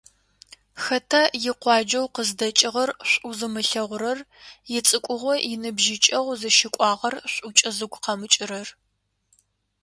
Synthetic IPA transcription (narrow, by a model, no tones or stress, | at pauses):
xɐtʰajɪqʷɑːd͡ʒɐwqəzdɐt͡ʃʼɪʁɐrɕʷʼuzɨmɨɬɐʁʷʊɾɐrjɪt͡sʼɨkʷʼʊʁʷɔjɪnɨbʒɪt͡ʃʼɐʁʷzɨʃɪkʷʼɑːʁɐrɕʷʼʊt͡ʃʼɐzɨɡʷqɐmɨt͡ʃʼɪɾɐr